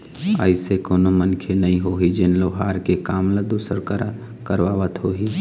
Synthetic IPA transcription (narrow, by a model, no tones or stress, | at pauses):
əɪsekoːnomənkʰenəĩɦoɦid͡ʒɪnloɦaːɾkekaːmləd̪uːsəɾkə | kəɾʋaːʋət̪ɦoɦi